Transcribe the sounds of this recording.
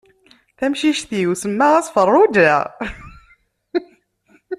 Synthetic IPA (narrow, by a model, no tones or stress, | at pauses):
θæmʃiʃθiwsəmːæʁæsfərˤːud̪æ̰